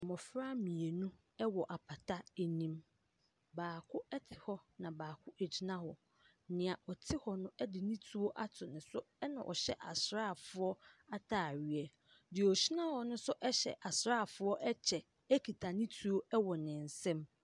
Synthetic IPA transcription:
mɔ̃˨fɾa˦mĩ˨e˨nũ˦ | ɛ˦wɔ˨ʔa˨pʰa˨tʰa˦ɛ˦˨nĩ˦m | baː˨kʰʊ˦ɛ˦tʰɪ̥˨hɔ˦nã˨baː˨kʰʊ˦ɛ˨d͡ʑi˦nã˦hɔ˨˦ | nɪ̃˨a˨ʔɔ˨tʰɪ˦hɔ˨nʊ̃˦ɛ˦dɪ˨nĩ˦tʰu˦o˦ʔa˦tʰʊ˨nɪ̃˨sʊ˦ɛ˦nã̰˨ʔɔ̰˨ɕɛ̰˦ʔa̰˨sɾaː˦˨fʊ˦ɔ˦a˦tʰaː˨ɥɥɛ˨ | dɪ˨ɔ˨ɕi˦nã˦hɔ˨nʊ̃˦sʊ˦ʔɛ˦ɕɛ̰˨ʔa˨sɾaː˦˨fʊ˦ɔ˦ʔɛ˦t͡ɕʰɛ˨ | æ˦kʰi˨tʰa˨nĩ˦tʰu˦o˦ɛ˦wɔ˨nɪ̃˨n̩˨sɛ̃˦m

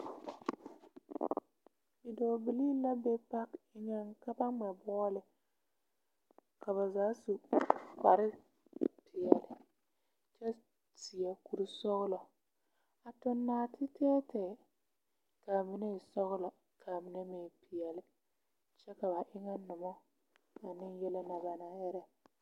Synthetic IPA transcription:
bi˨doː˨bi˨li˦la˦be˦pa˦kɪ˦ŋɛ˦ŋka˦ba˦ŋ͡mɛ˨bɔ˦lɪ˨ | ka˨βa˨zaː˨˦su˨pa˨ɾɪ˦ | pʰɪ˨ɛ˨lɪ˨ | t͡ʃɛ˦ | ti˨a˨ku˨ɾu˦sɔ˦ɣʊ˦lɔ˨ | a˨tʊ˨nːaː˨˦tʰɪ˦tɛː˦tʰɛː˨ | ka˨mɪ˨ne˦˨sɔ˦ɣʊ˦la˨ | kʰa˨mɪ˨nɛ˦meː˨pi˨jɛ˨lɪ˨ | t͡ʃɛ˦ka˨ba˨ʔɪ˦ŋɛ˦nʊ˨mɔ˦ | a˨nɪ˦jɛ˦lɪ˦na˨ba˨na˨ɛ˦ɾɛ˦

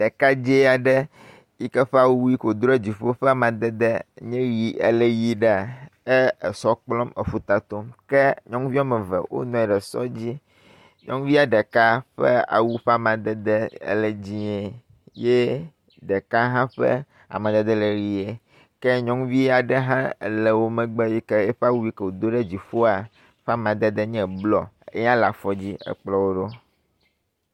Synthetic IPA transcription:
ɖɛ˨ka˦d͡ʑe˦a˨ɖɛ˦ | i˦kɛ˦ɸɛ˦a˨wo˦u˦ji˦ko˨d̪ɾe˦d͡ʑi˨ɸo˦ɸɛ˦a˨mã˨d̪ɛ˦d̪ɛ˦ɲɛ̃˦ɾi˨ʔḛ˨le˨ji˦ɖa˨e˦e˨sɔ˦k͡plɔ˦me˨ɸu˦t̪a˨t̪o˦mkɛ˦ɲɔ̃˦ŋvi˦a˦mɛ˨vɛ̰˨wo̰˦nɔ̃˨ɛ˨ɖɛ˨sɔ̰˦d͡ʑi˦ | ɲɔ̰̃˦ŋvi˦a˨ɖɛ˨ka˦ɸɛ̰˦a̰˨wu˦ɸa˨mã˨d̪ɛ˦d̪ɛ̰˦le˨d͡ʑi˦ɛ˨ | je˦ | ɖɛ˨ka˦ɦã˦ɸɛ̰˦ | a̰˨mã˨d̪ɛ˦d̪ɛ˦le˨ɾi˨e˨ | kɛ˦ɲɔ̃˦ŋvi˦a˨ɖɛ˦ɦã˦˨lɛ˨wo˦mɛ̃˨ɡ͡bɛ˦i˦kɛ˦e˦ɸɛ˦a˦wu˦i˦kɛ˨wo˨d̪o˦ɖɛ˦d͡ʑi˨ɸo˦a˨ | ɸa˦mã˨d̪ɛ˦d̪ɛ˦ɲɛ̃˨blɔ˨e˦ɲã˦la˨fɔ˦d͡ʑi˦ḛ˨k͡plɔ˦wo˦ɖo˦

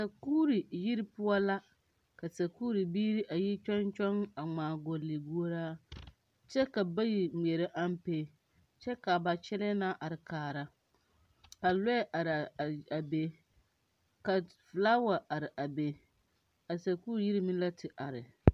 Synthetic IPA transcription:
a˨sa˨kuː˦ɾi˨ji˦ɾi˦pʊ˦ɔ˦la˦ | ka˨sa˨kuː˦ɾi˨biː˦ɾi˦ʔa˨ji˦t͡ʃɔ˦nt͡ʃɔ˦ŋa˨ŋ͡maː˨ɡo˨le˨ɡu˦o˦ɾaː˦ | t͡ʃɛ˦ka˨ba˦ji˨m˨ɛ˨ɾɪ˦ʔa˦m˦pe˦ | t͡ʃɛ˦ka˨ba˨t͡ʃɛ˦lɛ˦na˦ʔa˨ɾɪ˨kaː˨ɾa˦ | ka˨lɛ˦ʔa˨ɾa˨be˦ | ka˨fɪ˨laː˦wa˨ʔa˨ɾɪ˨ʔa˨be˨˦ | a˨sa˨kuː˦ɾi˨ji˦ɾi˦mĩ˦n˦la˦tʰɪ˨ʔa˨ɾɪ˨

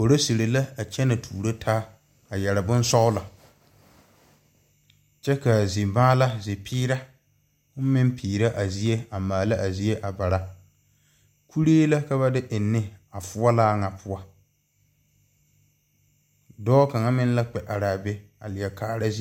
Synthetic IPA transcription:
ko˨ɾo˦si˨ɾe˨la˦a˨t͡ʃɛ˦na˨tʰuː˨ɾo˦tʰaː˦ | a˨jɛ˨ɾa˨bʊ˦n˦sɔ˦ʊ˦la˨ | t͡ʃɛ˦ka˨zi˨baː˦la˦zɪ˨pʰiː˦ɾa˦ | mɪ˦m˦pʰiː˨ɾa˦ʔa˨zi˨˦e˦a˨maː˨la˦ʔa˨zi˨˦e˦ʔa˨ba˨ɾa˦ | kʰu˦ɾeː˦la˦ka˦βa˦dɪ˦ʔɪ˨nːɪ˦a˨fʊ˦a˦laː˦ŋa˨pʰʊ˦a˦ | dɔː˦ka˨ŋa˦mɪ˦n˦la˦k͡pɛ˨ʔa˨ɾaː˨bɛ˦ | a̰˨lɪ˨ɛ˨kʰaː˨ɾa˦zi˦

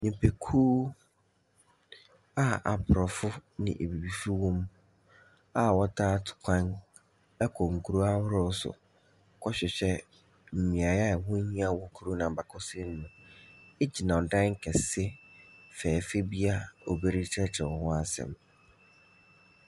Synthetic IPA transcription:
nĩ˨pʰe˨kʰuː˦ | a˦a̰˨pʰɾɔ˨fʊ˦nɪ̰̃˨ʔe˨bi˨bi˨fi˦wɔ̃˦m | a˦wɔ˦tʰaː˦tʰʊ̥˨kʰʷã˦n | ɛ˦kʰɔ˨ŋ˨kʰu˨ɾu˦a˦hʊ˦ɾɔ˦sʊ̰˨ | kʰɔ˦ɕᶣɪ˨ɕɛ˦ | m̩˨mĩ˨a˨jɛ˦˨wʊ̃˦ɲĩ˦a˦wɔ˦kʰu˦ɾu˦nã˨ba˨kʰɔ˦se˦n˦nʊ̃˨e˦d͡ʑi˨nã˨ɔ˨dã˦ŋ̩˦kʰɛ˨sɪ˦fɛː˨fe˦bi˦a˦o˨be˦ɾi˦t͡ɕʰɛ˦t͡ɕʰɛ˨wɔ˨hʊ̃˦a˦sɛ̰̃˨m

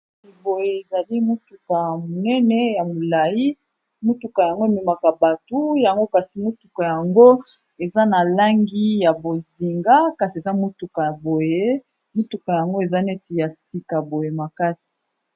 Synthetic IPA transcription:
i˨bo˨je˨e˨za˨li˦mo˦tu˨ka˨jmo˨nɛ˦nɛ˦ja˨mo˨la˨ji˦ | mo˦tu˨ka˨ja˨ŋɡo˦e˨me˨ma˨ka˨ba˨tu˦ja˨ŋɡo˦ka˨si˨mo˦tu˨ka˨ja˨ŋɡo˦ | e˨za˦na˨la˦ŋɡi˦ja˨bo˨zi˨ŋɡa˦ka˨si˨e˨za˦mo˦tu˨ka˨ja˨bo˨je˦ | mo˦tu˨ka˨ja˨ŋɡo˦e˨za˦nɛ˦ti˨ja˨si˨ka˨bo˨je˨ma˨ka˦si̥˨

